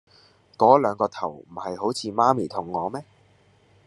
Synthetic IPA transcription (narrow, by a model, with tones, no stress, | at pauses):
kɔː˨˥lœː˨˧ŋkɔː˧t̪ʰɐ̰˨˩wm̩˨˩hɐ˨jho˨˥wt͡sʰiː˨˧maː˥miː˨˩t̪ʰʊ˨˩ŋːɔː˨˧mɛː˥